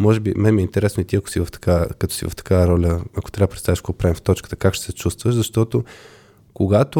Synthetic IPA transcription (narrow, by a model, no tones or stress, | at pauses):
mɔʒɛbimɛmiɛint̪ɛɾɛsnʊit̪iɐkʊ̥sivəft̪ɐ̥kakət̪ɔ̥sḭvɐ̰ft̪ɐ̥kaɾɔlʲəɐko̥t̪ɾʲabəpɾɛt̪st̪aviʃkoɡopɾavift̪ɔt͡ʃkə̥t̪əkakʃt̪ɛ̥sɛt͡ʃust̪vəʃzɐʃt̪ɔt̪o | koɡat̪o